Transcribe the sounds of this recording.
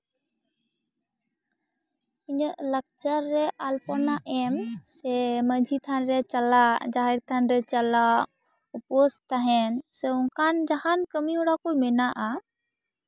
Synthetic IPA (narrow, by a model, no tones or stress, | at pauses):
iɲəʔlək̚t͡ʃəɾːɛʔalpɔnaʔɛmsɛməd͡ʒʱit̪ʰanɾɛt͡ʃalad͡ʒaɦɛɾt̪ʰanɾɛt͡ʃala | upɔst̪aɦɛnsɛuŋkʰand͡ʒahankəmiuɽakujmɛnaʔa